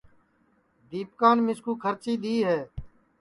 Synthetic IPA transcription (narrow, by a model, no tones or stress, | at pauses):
d̪iːp̚kaːnmɪskuːkʰəɾt͡ʃiːd̪iːɦɛː